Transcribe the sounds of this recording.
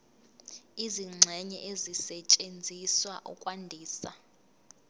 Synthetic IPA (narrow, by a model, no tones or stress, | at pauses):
iziŋ͡ǀʱɛɲɛ̰ʔezisɛt͡ʃʼend͡zʱiswaʔɔkʼwandʱiːsa